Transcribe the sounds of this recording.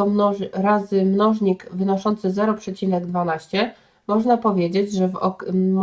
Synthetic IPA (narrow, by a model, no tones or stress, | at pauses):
ɔɔɾazɘmnɔʐɲikvɘnɔʂɔnt̪sɘzɛɾɔpʂɛt͡ɕinɛɡd̪vanaɕt͡ɕɛ | mɔʐnapɔvʲjed͡ʑed͡ʑʐɛvɔ̰